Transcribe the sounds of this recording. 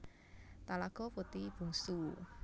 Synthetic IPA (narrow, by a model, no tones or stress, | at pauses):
t̪alaɡ̥ɔ̤put̪ib̥ṳŋsu